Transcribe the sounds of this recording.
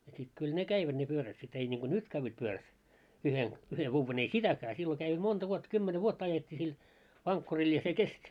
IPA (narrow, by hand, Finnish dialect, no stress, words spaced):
jɑ sit kyl ne kæiʋæd̥ ne pyøræt sit ei niŋɡ̊o nyt kæʋːæt pyøræt yhen yhe ʋuːʋen ei sitækæː silːo kæi montɑ ʋuotːɑ̆ kymːene ʋuotːɑ ɑjetʲːiː sil ʋɑŋkːuril jɑ se kestʲ